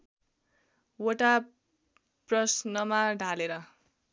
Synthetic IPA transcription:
woʈa | prʌsnʌmaɖʱaleɾʌ

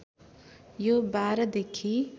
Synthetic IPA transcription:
jobaːɾd̪ekʰi

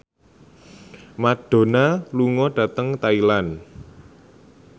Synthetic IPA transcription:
maɖ̥o̤naluŋɔɖ̥ä̤t̪əŋt̪ailan

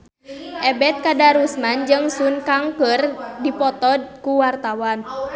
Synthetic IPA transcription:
ʔɛbɛt̪̚kadaɾusmand͡ʒɨŋsunkaŋkərdipɔt̪ɔkuwart̪awan

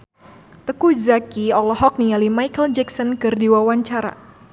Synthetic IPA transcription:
t̪əkuzakiɔlɔɦɔk̚nialimajkəld͡ʒɛksɔnkɨrdiwawaɲt͡ʃaɾa̰

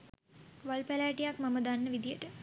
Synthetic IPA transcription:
ʋalpælæːʈijakmaməd̪anːəʋid̪ijəʈə

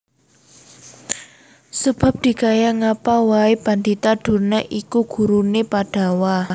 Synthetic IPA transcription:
səb̥a̤p̚d̪̥i̤kajaŋapawaeb̥and̪it̪aɖ̥ṳrnaʔikuɡ̥ṳɾunepaɖ̥a̤wa

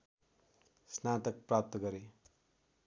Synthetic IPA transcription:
snat̪ʌk̚pɾap̚t̪ʌɡʌɾi

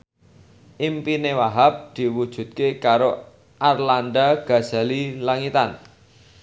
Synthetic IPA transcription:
ʔimpinewaɦap̚d̪̥i̤wud̥ʒ̥ṳt̪̚kekaɾo | ʔarland̪aɡ̥a̤̥z̥a̤lilaŋit̪an

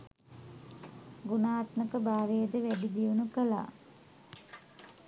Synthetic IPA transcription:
ɡunaːt̪məkəbaːʋejəd̪əʋæɖid̪ijunukəla̰

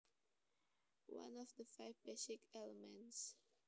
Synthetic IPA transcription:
wã̰nɔfdəfaɪvbɛsɪkɛləmɛ̃nts

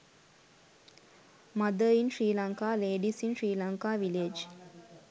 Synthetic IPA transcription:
mad̪əinʃɾiːlaŋkaːleːɖisinʃɾiːlaŋkaːʋiled͡ʒ

